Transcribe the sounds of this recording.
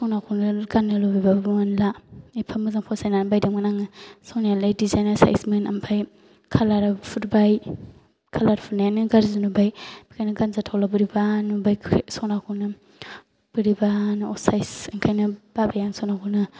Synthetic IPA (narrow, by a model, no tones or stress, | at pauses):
sɔnakʰunɯɡanːɯlobibabbŋanlaepʰamɯzaŋpʰɔsajnanbajdamɡanaŋɯsɔnijalajdizajnasa̰jsmena̰mpʰaj | kʰalaɾpʰuɾbaj | kʰalaɾpʰuɾnajanɯɡaɾzanubajb̥ikʰajnɯɡanzatʰawlabɯɾibanubajsɔnakʰunɯ | b̥ɯɾibanɔsajsaŋkʰajnɯb̥abajaŋsɔnakʰunɯ